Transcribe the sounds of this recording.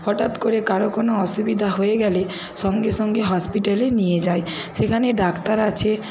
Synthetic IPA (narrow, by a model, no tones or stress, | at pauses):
hɔʈat̪koɾekaɾokonoɔʃubid̪ʱaɦoeɡɛle | ʃɔŋɡeʃɔŋɡeɦɔspiʈalenijed͡ʑae | ʃekʰaneɖakt̪aɾat͡ɕʰe